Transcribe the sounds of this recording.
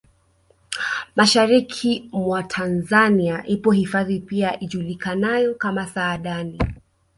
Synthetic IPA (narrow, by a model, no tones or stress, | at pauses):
maʃaɾikʰimwatʰanzaniaʔipɔhifaðipiaʔiʄulikanajɔkamasaːɗani